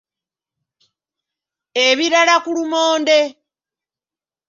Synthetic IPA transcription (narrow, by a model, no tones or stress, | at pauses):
eβiɾalakulumoːnde